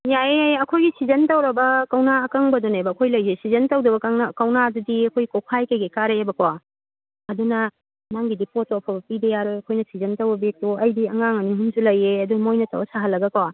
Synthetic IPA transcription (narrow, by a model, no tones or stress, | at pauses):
jaeejɐkʰojɡisizɐntɐwɾɐbɐkɐwnaːkɐŋbɐdonebɐːkʰojlɐjzesizɐntɐwdɐbɐkaŋakɐwnadudiɐkʰojikokʰajkejɡekaɾeebɐkwa | ɐdunɐ | naŋɡidipotoɐpʰɐbɐpidɐjaɾojɐkʰojnɐsizɐntɐwbɐbek̚tuɐjdiɐŋaŋɐniɦunsulɐjeɐdumojnɐtɐ̰wɐsaɦɐlːɐɡɐkawa